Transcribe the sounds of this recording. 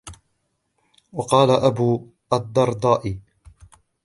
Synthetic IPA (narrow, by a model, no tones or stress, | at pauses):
wɑqɑːlaʔabuː | ʔad̪ːɑɾˤd̪ˤɑːʔɪ